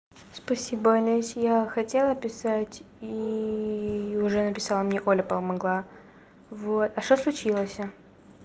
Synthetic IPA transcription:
spɐsʲibəɐlʲesʲjaxɐtʲe̞lˠəpʲɪsatʲ | i | ʊʐɛnəpʲɪsalˠəmnʲeʔolʲəpəlˠmɐɡlˠa | vot̪ɐʂt̪oslˠʊt͡ɕilˠəsʲə

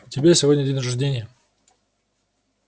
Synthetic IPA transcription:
tʲɪbʲesʲɪvodʲnʲədʲenʲɾəʐdʲenʲɪjə

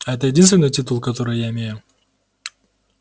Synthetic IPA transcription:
ɐɛt̪əjɪdʲinst̪vʲɪnːɨjtʲit̪ulˠkɐt̪oɾɨjjaɪmʲejʊ

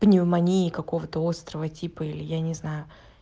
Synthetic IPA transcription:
b̥nʲɪvmɐnʲijɪkɐko̞vət̪əo̞st̪ɾəvətʲipəilʲɪjanʲɪznajʊ

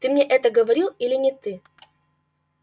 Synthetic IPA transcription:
t̪ɨmnʲeʔɛt̪əɡəvɐɾʲilˠilʲɪnʲɪt̪ɨ

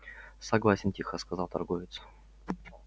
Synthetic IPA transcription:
sɐɡlˠasʲɪntʲixəskɐzɑlˠt̪ɐ̰rɡovʲɪt̪s

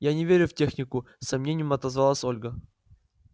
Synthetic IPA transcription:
janʲɪvʲeɾʲʊftʲexnʲɪkʊ | sɐmnʲenʲɪjəmɐt̪əzvalˠasʲo̞lʲɡə

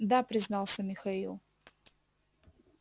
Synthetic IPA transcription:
d̪apɾʲɪznɑlˠsʲəmʲɪxɐilˠ

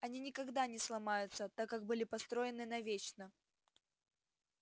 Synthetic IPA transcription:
ɐnʲinʲɪkɐɡd̪anʲɪslˠɐmajʊt̪sət̪akːak̚bɨlʲɪpɐst̪ɾo̞ɪnɨnɐvʲet͡ɕnə

